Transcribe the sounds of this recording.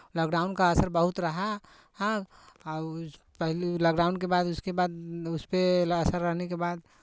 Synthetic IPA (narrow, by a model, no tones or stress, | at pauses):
lɔːkɖaːʊnkaəsəɾbəɦut̪ɾəɦa | ɦã | pəɦlilaːkɖaʊnkebad̪ʊskebad̪ʊspeəsəɾːəɦnekebad̪